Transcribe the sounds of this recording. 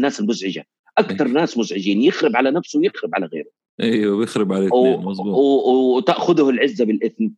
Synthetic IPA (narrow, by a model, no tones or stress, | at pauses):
nːaːsɪlmʊzʕɪd͡ʒa̰ | ʔakt̪ɑɾˤnaːsmʊzʕɪd͡ʒiːnjɪxɾɪbʕalanafsʊwjɪxɾɪbʕa̰laɣḛːɾʊ | ʔewɪbjɪxɾɪbʕalemsːwwt̪aʔxʊðʊhɪlʕɪzːabɪlʔɪθn